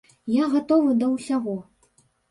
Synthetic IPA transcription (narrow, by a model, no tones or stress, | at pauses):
jaɣat̪ɔvɨd̪ɐwsʲaɣɔ